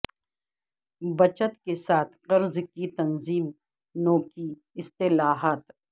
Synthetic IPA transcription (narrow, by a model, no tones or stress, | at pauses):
bɐt͡ʃət̪kesaːt̪ʰqɐɾzkit̪ɐnziːm | noːki | ɪst̪ɪlaːɦaːt̪